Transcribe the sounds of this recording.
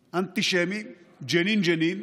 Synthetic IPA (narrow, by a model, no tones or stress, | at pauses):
ɐnt̪iʃemi | d͡ʒɐniːnd͡ʒɐniːn